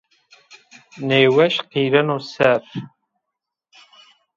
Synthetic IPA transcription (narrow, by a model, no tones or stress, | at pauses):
nejwɐʃqiːrɐnosɐr